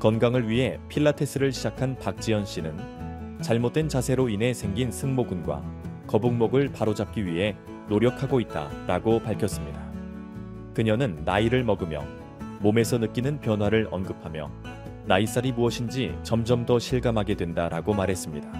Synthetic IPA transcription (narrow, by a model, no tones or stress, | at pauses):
kʌnɡaŋɯɭɥiɦe̞pʰiɭːatʰe̞s͈ʰɯɾɯɭɕʰid͡ʑakʰanpak̚t͡ɕ͈iʌnɕ͈inɯnt͡ɕaɭmot̚t͈we̞nt͡ɕasʰe̞ɾoinɦe̞sʰe̞ŋɡinsʰɯŋmoɡunɡwa̰kʌbuŋmoɡɯɭpaɾod͡ʑap̚k͈iɥiɦe̞ | noɾjʌkʰaɡoit̚t͈a̰ɾaɡopaɭkʰjʌs͈ɯmɲida | kɯɲʌnɯnːaiɾɯɭmʌɡɯmjʌ̰ | mome̞sʰʌnɯk͈inɯnpjʌnwaɾɯɭʌnɡɯpʰamjʌ̰ | nais͈aɾimuʌɕʰind͡ʑit͡ɕʌmd͡ʑʌmdʌɕʰiɭɡamɦaɡe̞dwe̞ndaɾaɡomaɾɦe̞s͈ɯmɲida